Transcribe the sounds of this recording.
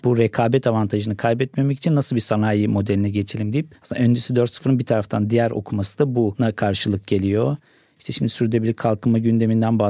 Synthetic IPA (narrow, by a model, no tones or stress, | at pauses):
b̥uɾekʰaːbɛt̪ʰavant̪ʰaʒɯnɯkʰajbɛt̪me̞meci̥t͡ʃʰinːasɯlˠbiɾsanaːjimo̞d̪elʲinɛɟe̞t͡ʃʰilʲimd̪ijip̚asɯnaønd͡ʒesyd̪øɾt̪sɯ̥fɯɾɯnbiɾt̪ʰaɾaft̪ʰand̪ijæɾʔo̞̰kʰumasɯd̪abunakʰaɾʃɯlˠɯk̚ɟe̞lʲijo̞ | iʃt̪ʰeʃimd̪isyɾd̪ebilʲikʰalˠkʰɯmaɟynd̪e̞mind̪ænba